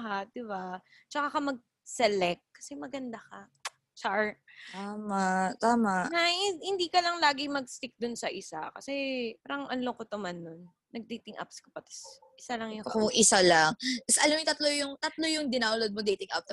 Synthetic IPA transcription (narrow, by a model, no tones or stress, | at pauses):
ɐɦaʔ̚d̪ɪba | t͡ʃɐkakɐmɐɡ̚ | sɛlɛk̚kːɐ̥sɛmɐɡɐnd̪akɐ | t͡ʃɐɹt̪aːmaʔt̪aːmaʔahɪnd̪iːkɐlɐŋlaːɡɪmɐɡ̚st̪ɪk̚d̪ʊnsɐʔɪsa̰kɐ̰sɛpaːɾɐŋʔɐnlokot̪omanːonːɐɡ̚d̪it̪ɪŋʔa̰pskɐpɐt̪ɐ̥s | ʔɪsalɐŋjʊkoŋʔɪsalaŋt̪ɐsʔɐlamʊt̪ɐt̪lojʊŋt̪ɐt̪lojʊŋd̪ɪnaːʊlod̪̚mod̪ejt̪ɪŋʔa̰p̚t